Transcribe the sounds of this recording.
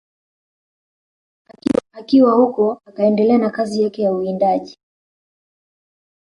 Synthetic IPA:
aakiwahukɔakaɛndɛlɛanakazijakɛjauindaʄi

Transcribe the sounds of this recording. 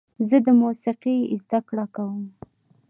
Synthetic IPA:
zəd̪əmusɪqizd̪akɽakawəm

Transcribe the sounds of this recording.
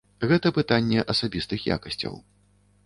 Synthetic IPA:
ɣɛt̪ɐpɨt̪anʲːɛʔɐsabʲist̪ɨxja̰kɐsʲt͡sʲɐ̰w

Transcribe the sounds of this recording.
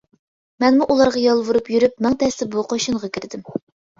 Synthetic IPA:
mɛnmuʔulˠɑɾʁɑjɑlˠvuɾupjyɾypmæŋt̪ʰɛst̪ɪbuqʰoʃɨɴʁɑkʲʰiɾd̪ɪm

